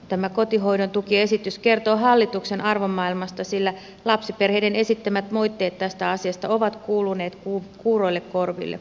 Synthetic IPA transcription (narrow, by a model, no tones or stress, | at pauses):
t̪æmæko̞t̪iɦo̞ijdont̪ukie̞sit̪yskert̪oːɦɑlːit̪ukse̞nɑrʋomːɑilmɑst̪ɑsilːæ | lɑpsiperheidene̞sit̪ːæmæt̪moijt̪ːe̞ːt̪t̪æst̪æɑsiɑst̪ɑoʋɑt̪kuːlune̞ːt̪kuːkuːro̞ilːekko̞rʋḭlːḛ